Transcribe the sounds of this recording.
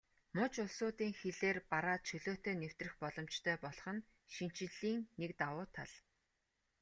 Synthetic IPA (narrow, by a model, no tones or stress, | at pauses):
mʊt͡ɕʊɮsʊːt̪iːŋxeɮeːrpaɾaːt͡ɕʰɵɮoːt̪eːnew̥t̪rɘ̆xpɔɮɞ̆m̥t͡ɕt̪ʰœːpɔɮɞχɞ̆n | ʃin̥t͡ɕɪ̆ɮiːŋnekt̪awʊːt̪ʰa̰ɮ